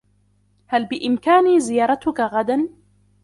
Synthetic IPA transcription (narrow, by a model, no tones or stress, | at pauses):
halbɪʔɪmkaːniːzɪjɑːɾˤɑt̪ʊkaɣad̪an